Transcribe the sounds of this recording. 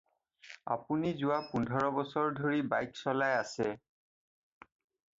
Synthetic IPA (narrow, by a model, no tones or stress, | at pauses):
a̰punizʊwapundʱɔɹɔbɔsɔɹdʱoɹibajksɔlajasɛ